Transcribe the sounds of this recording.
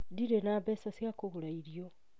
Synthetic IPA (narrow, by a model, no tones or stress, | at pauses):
diɾenaːβesasiakoβulaiɾjo̞